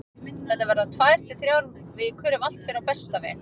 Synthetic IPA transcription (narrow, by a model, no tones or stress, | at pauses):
mɪnlaɛt̪avɛɾðat̪ʰvajɾ̥t̪lɪθɾjaːwɾvɪðkʰœːɾʏmal̥t̪fɪɾawpɛst̪avɪ̰